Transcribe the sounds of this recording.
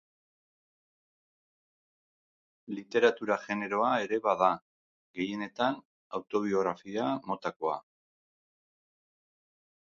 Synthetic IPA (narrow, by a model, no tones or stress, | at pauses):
lit̪e̞ɾat̪uɾaʝe̞ne̞ɾo̞ae̞ɾe̞βaða | ɣe̞je̞ne̞t̪an | awt̪o̞β̞io̞ɣɾafiamo̞t̪ako̞a̰